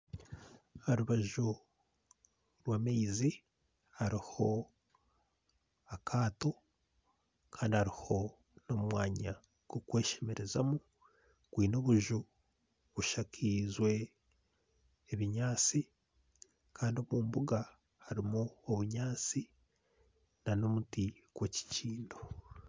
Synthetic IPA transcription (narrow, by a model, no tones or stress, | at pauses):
aɾuβaʒu | ɾwaːmeizi | haɾiho̞ | akʰaːto̞ | kʰaːndihaɾiho̞ | no̞mwaːɲa | kukwe̞ːʃemeɾe̞za̰mu | kwiːno̞βuʒu | βuʃakʰizwe̞ | βiɲaːt͡si | kʰaːndio̞muːmbuɡa | haɾimuoβuɲaːt͡si | nano̞mutiɡ̥we̞ci̥ciːndo